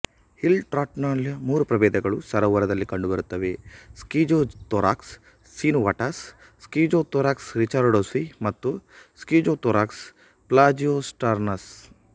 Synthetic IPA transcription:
hilʈɾaːʈnaːlmuːɾupɾɐʋeːd̪ɐɡɐɭusɐɾɐʋɐɾɐd̪ɐlːikɐɳɖubɐɾut̪ːɐʋeskiːd͡ʒoːt̪oːɾa̰ːksː | iːnʋaʈɐsː | kiːd͡ʒoːt̪oːɾaːksɾit͡ʃaɾɖoːsimɐt̪ːuskiːd͡ʒot̪oːɾaːks | plaːd͡ʒiosʈaɾnɐs

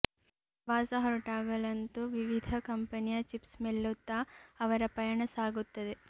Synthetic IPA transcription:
ʋaːsɐɦɐɾuʈaːɡɐlɐnt̪uʋiʋid̪ʱɐkɐmpɐnijɐt͡ʃipsmelːut̪ːaːɐʋɐɾɐpɐjɐɳɐsaːɡut̪ːɐd̪e

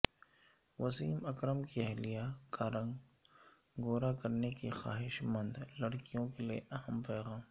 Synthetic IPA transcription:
ʋɐsiːmɐkɾəmkiɛɦlijakaɾɐ̃ŋɡ | ɡoːɾakɐɾnekixa̰ːɦɪʃmə̃nd̪lɐɽkijõkeliḛʔɐɦəmpɛːɣãːm

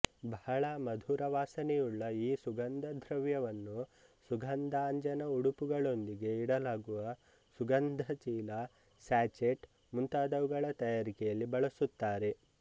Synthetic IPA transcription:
bʱaːɭɐmɐd̪ʱuːɾɐʋaːsɐnɛjuɭːɐiːsuɡɐnd̪ʱɐd̪ʱɾɐʋjɐʋɐnːu | suɡʱɐnd̪ʱaːɲd͡ʒɐnɐuɽupuɡɐɭo̞nd̪iɡe̞iɽɐlaːɡuʋɐ | suɡɐnd̪ʱɐt͡ʃiːlɐ | saːt͡ʃeʈ | munt̪aːd̪ɐʋuɡɐɭɐt̪ɐjaːɾikɛjɐlːibɐɭɐsut̪ːaːɾe̞

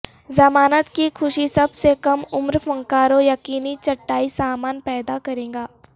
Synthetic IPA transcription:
zɐmaːnət̪kikʰʊʃisɐbsekɐmʊmɾfɐ̃ŋkaːɾojɐqiːnit͡ʃɐʈːaːisaːmaːnpɛːd̪akɐɾẽːŋɡaː

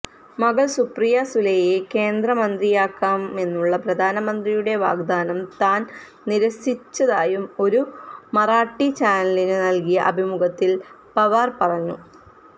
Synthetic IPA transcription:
mɐɡɐɭsuprijasulejeke̞ːnd̪rɐmɐnd̪rijaːkːaːme̞nːuɭːɐprɐd̪ʱaːnɐmɐnd̪rijuɽe̞ʋa̰ːɡd̪aːnɐmt̪aːn | niɾɐsit͡ɕːɐðaːjumo̞ɾumɐraːʈːit͡ɕaːnɐlinɨnɐlkijɐʔɐbʱimuɡɐt̪ːil | pɐʋaːrpɐrɐɲːṵ

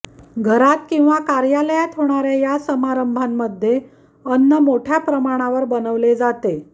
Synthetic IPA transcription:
ɡʱəɾat̪kĩw̃ʋakaɾjaləjat̪ɦoɽ̃aɾjajasəmaɾəmbʱanːəd̪ʱːje | ənːəmoʈʰjapɾəmaɽ̃aʋəɾbənəʋled͡zat̪e

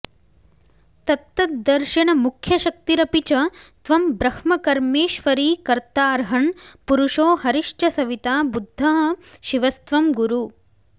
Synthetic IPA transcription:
t̪ɐt̪ːɐt̪̚d̪ɐɾʃɐɳɐmukʰjɐʃɐk̚t̪iɾɐpit͡ʃɐt̪ʋɐmbɾɐhmɐkɐɾmeːʃʋɐɾiːkɐɾt̪aːɾɦɐɳpuɾuʂoːhɐɾiʂʈʰɐsɐʋit̪aːbud̪ʱːɐɦɐ̆ʃiʋɐst̪ʋɐmɡuɾuː

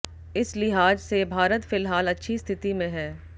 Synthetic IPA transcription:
ɪslɪɦaːd͡ʒsebʱaːɾət̪fɪlɦaːlɐtːʃʰist̪ʰɪt̪imẽɦɛː

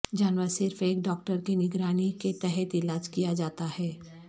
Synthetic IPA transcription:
d͡ʒaːnʋəɾsɪɾfeːkɖɔːk̚ʈəɾkinɪɡɾaːniket̪ɛɦɛt̪ɪlaːd͡ʒkijad͡ʒaːt̪ahɛː

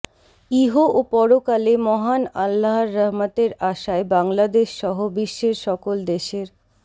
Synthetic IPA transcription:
iɦoopɔɾokalemɔɦanalːaɦaɾːaɦmat̪eɾaʃaebaŋlad̪eʃːɔɦobiʃːeɾʃɔkold̪eʃeɾ

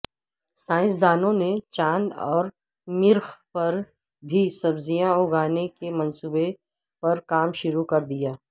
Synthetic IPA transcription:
sãːɪ̃s̬d̪aːnõnet͡ʃãːnd̪ɔ̰ːɾ | mɪɾxpɐɾ | bʱisɐbzijãoɡaːnekemɐ̃nsuːbe | pɐɾkaːmʃʊɾukɐɾd̪ijaː

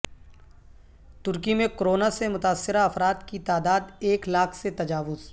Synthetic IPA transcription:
t̪ʊɾkimẽkɾoːnasemʊt̪aːsːɪɾaɐfɾaːd̪kit̪aːd̪aːd̪eːklaːkʰset̪ɐd͡ʒaːʋʊz̥

